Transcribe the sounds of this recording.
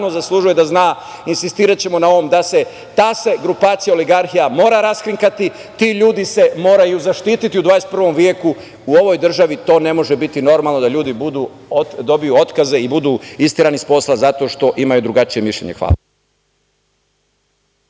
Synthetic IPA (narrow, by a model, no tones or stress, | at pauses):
nozaslˠuʒuje̞d̪aznaː | insist̪iːɾat͡ɕe̞mo̞nao̞ʋomd̪ase̞ | t̪aːseɡɾupaːt̪sijaoliɡaɾxijamo̞ːɾaɾaskɾiŋkat̪i | t̪iːʎuːd̪ise̞mo̞ːɾajuzaʃt̪iːt̪it̪iud̪ʋaːjest̪pr̩ʋo̞mʋjeku | uo̞ʋo̞jd̪r̩ʒaʋit̪o̞ːne̞mo̞ʒebit̪ino̞ɾmalˠno̞d̪aʎuːd̪ibud̪uː | d̪o̞bijuo̞t̪kaze̞ibud̪uːist̪iɾanispo̞slˠazat̪o̞ːʃt̪o̞ʔimajud̪ɾuɡat͡ʃije̞miʃʎʲḛɲe̞xʋa̰ːla